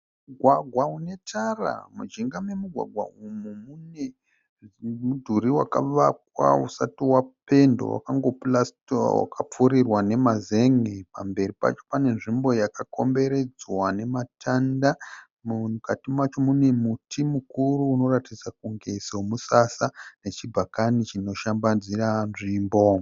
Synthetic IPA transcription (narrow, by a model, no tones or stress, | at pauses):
muɡʱwaɡʱwaune̞tʰara̰mud͡ʒiŋɡame̞muɡʱwa̰ɡʱwa̰umumune | mudʱuɾiwa̰kaʋak̚wa̰usatiwape̞ndo̰wa̰kaŋɡo̞plastowa̰kap͡fuɾirwane̞mazeŋepa̰mbe̞ripa̰t͡ʃo̞̥pane̞nʐimbo̞jakako̞mbe̞ɾe̞d͡zwane̞matʰanda | mukatimat͡ʃo̞mune̞mutʰimukuruːno̞ratid͡zak̚uŋɡe̞somusasane̞t͡ʃibʱakanit͡ʃino̞ʃambad͡ziranʐiːmbo̞